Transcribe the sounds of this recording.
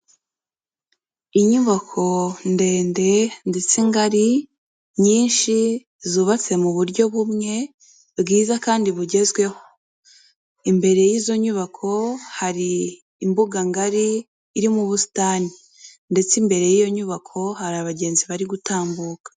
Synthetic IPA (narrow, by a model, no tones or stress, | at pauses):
iɲuβakʰo̞nde̞ːnde̞nde̞t͡siŋɡaɾi | ɲiːnʃi | zuːβat͡se̞muβuɾɟo̞βumŋe̞ | bɡiːzakaːndiβuɟe̞zɡwe̞ho̞̥ | imbe̞ɾe̞jiːzo̞ɲuβakʰo̞haɾiː | mbuɡaŋɡaɾiː | ɾimuβusi̥taːni | nde̞t͡simbe̞ɾe̞jijo̞ɲuβakʰo̞haɾaβaɟe̞ːnziβaɾiɡutaːmbuːkḁ